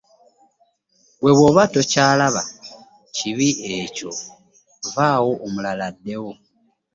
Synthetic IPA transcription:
βwe̞βwoːβato̞caːlaβa | ciβiʔeːco̞̰ | vaːwo̞ʔːmulaladːe̞wo

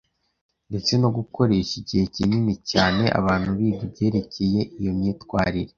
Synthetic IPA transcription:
nde̞t͡se̞no̞ɡuko̞ɾe̞ʃiɟihe̞cininicaːne̞ʔa̰βaːn̥huβiːɡibɟe̞ːɾe̞cʰe̞je̞ʔijo̞mɲiːtkwaːɾiɾe

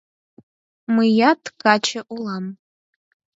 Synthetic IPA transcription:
mɨjadɡat͡ʃʰɪʔulam

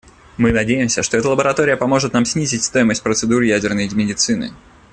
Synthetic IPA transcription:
mɨnɐdʲejɪmsʲəʂt̪o̞ɛt̪əlˠəbəɾɐt̪o̞ɾʲɪjəpɐmo̞ʐɨt̪namsʲnʲizʲɪtʲst̪o̞jɪməsʲt̚ʲpɾət̪sɨd̪uɾɨjædʲɪrnəjmʲɪdʲɪt̪sɨnɨ̰

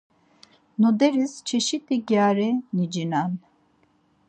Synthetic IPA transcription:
nɔd̪ɛɾist͡ʃʰɛʃit̪ʰiɡjaɾɛnid͡ʒinan

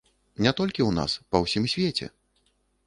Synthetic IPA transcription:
nʲɛt̪ɔlʲkʲiwna̰spɐwsʲimsʲvʲet͡sʲɛ̰

